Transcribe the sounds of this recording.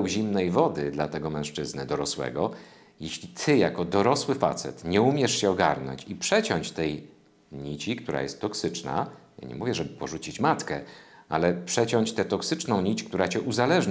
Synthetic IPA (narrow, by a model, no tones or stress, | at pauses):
wʑimnɛjvɔd̪ɘd̪lat̪ɛɡɔmɛ̃w̃ʂt͡ʂɘznɘd̪ɔɾɔswɛ̰ɡɔ | jeɕlʲit̪ʰɘjakɔd̪ɔɾɔswɘfa̰t̪sɛ̰t̪ɲɛumʲjɛʂɕɛɔɡa̰ɾnɔ̰ɲt͡ɕipʂɛt͡ɕɔɲt͡ɕt̪ɛj | ɲit͡ɕikt̪uɾa̰jɛ̰st̪ːɔksɘt͡ʂna̰ja̰ɲɛ̰muvʲjɛʐɛbɘpɔʐut͡ɕit͡ɕmat̪kɛalɛpʂɛt͡ɕɔɲt͡ɕt̪ɛt̪ɔksɘt͡ʂnɔ̃w̃ɲit͡ɕk̚t̪uɾat͡ɕɛʔuzalɛʐɲ